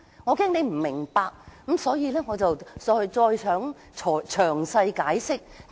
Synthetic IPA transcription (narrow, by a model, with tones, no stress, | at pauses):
ŋɔː˨˧kɛː˥ŋne˨˧jm̩˨˩mɪ˨˩ŋpaː˧k̚kɐ˨˥msɔː˨˥jiː˨˧lɛː˥ŋɔː˨˧t͡sɐ˨wt͡sɔː˧jt͡sɔː˧jsʰœː˨˥ŋ | t͡ʃʰɔː˨˩t͡ʃʰœː˨˩ŋsɐ˧jkaː˨˥jsɪ˥k̚